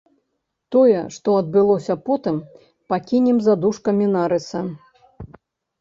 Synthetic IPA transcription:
t̪ɔjɛʂt̪ɔɐd̪̚bɨlˠɔsʲɐpɔt̪ɨm | pakʲinʲɛmzad̪uʂkɐmʲinaɾɨsɐ

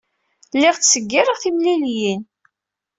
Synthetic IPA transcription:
lːɪʁt͡ssəɡːiɾəʁθimliljin

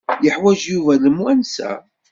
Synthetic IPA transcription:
jəħwæʒjuvæləmwænsæ̰

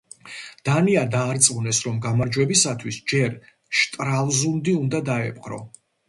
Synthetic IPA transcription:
d̪̥aniad̪aːɾt̪sʼunɛsɾɔmɡamaɾd͡ʒwɛbisat̪ʰwisd͡ʒɛɾ | ʃt̪ʼɾalˠzund̪iund̪ad̪aɛpʼqʼɾɔ̰

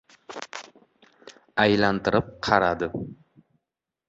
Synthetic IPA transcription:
ajlant̪ɪɾɪp̚qʰɑɾad̪ɪ

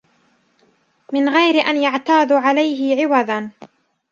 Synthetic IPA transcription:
mɪnɣajɾɪʔanjaʕt̪aːðʕalajɦɪʕɪwaðan

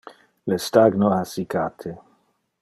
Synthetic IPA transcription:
lest̪aɡnoasikat̪ʰe

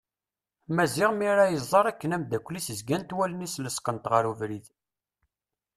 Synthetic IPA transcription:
mæziʁmiɾæjəzˤːɑɾˤækːənæmd̪ækʷːlisəzɡænt̪wælənisləskənt̪ʁəɾuvɾið

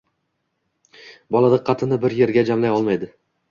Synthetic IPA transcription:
bɒlˠad̪ɪqʰːɑt̪ʰɪnɪbɪɾje̞ɾɡʲad͡ʒamlajɒlˠmajd̪ɪ

